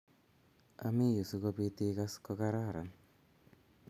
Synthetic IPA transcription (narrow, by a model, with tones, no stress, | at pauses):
a̰˦mi˦ju˨su˨˦ko˦pi˦t̪i˦ka˦skɔ˦ka˦ɾa˦˨ɾa˨n